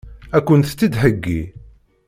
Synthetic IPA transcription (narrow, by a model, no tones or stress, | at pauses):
ækʷːənt̪t͡sːid̪ɦəɡːi